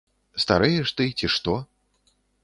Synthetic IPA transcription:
st̪aɾɨjɛʂt̪ɨt͡sʲiʂt̪ɔ

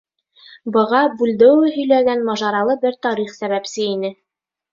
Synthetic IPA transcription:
bɤ̆ʁɑbʉld̪ɘ̆wɘɦɵ̆jlæɡænmɑʒɑɾɑlˠɤbɘɾt̪ɑɾiχsæβæpsɘinɘ

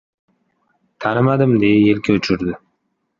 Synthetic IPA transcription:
t̪ʰanɪmad̪ɪmd̪ejajelkʲʰaʊt͡ʃʰʊɾd̪ɪ

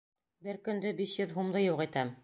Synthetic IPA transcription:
bɘɾkɵ̆nd̪ɵbiʃjɵðɦumd̪ɤjuʁit̪æm

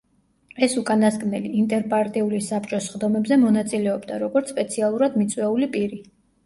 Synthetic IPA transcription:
ɛsukʼanasɡʼnɛliint̪ʼɛɾpʼaɾt̪ʼiulisapt͡ʃʼɔsχd̪ɔmɛbzɛmɔnat̪sʼilɛɔbd̪a̰ɾɔɡɔɾt̪sʰpʼɛt̪sʰialˠuɾad̪mit̪sʼwɛulipʼiɾi

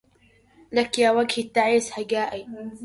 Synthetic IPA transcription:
lakjaːwaɡhit̪ːaʕishaɡaːʔij

